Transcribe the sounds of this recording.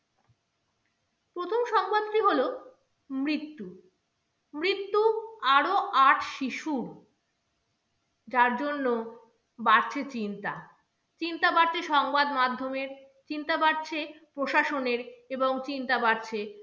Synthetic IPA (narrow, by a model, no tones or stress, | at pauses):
pɾot̪ʰomʃɔŋbad̪ʈiɦolo | mɾit̪ːu | mɾit̪ːuaɾoaʈʰʃiʃuɾ | d͡ʑaɾd͡ʑonːo | baɾt͡ɕʰet͡ɕint̪a | t͡ɕint̪abaɾt͡ɕʰeʃɔŋbad̪mad̪ʱːomeɾ | t͡ɕint̪abaɾt͡ɕʰepɾoʃaʃoneɾeboŋt͡ɕint̪abaɾt͡ɕʰe